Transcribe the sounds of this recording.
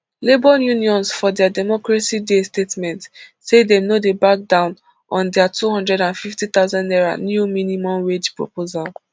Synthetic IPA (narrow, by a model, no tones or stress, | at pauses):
lebɔjũniɔ̃nsfɔdɛadɛmɔkɹasidestetmɛ̃ntsedɛ̃mnodebak̚dãʊ̃n | ɔ̃ndɛatuɦɔ̃ndɹɛdãnfiftit̪aʊzãndɛɹa̰njuminimɔ̃mɹed͡ʒpɹo̰pozal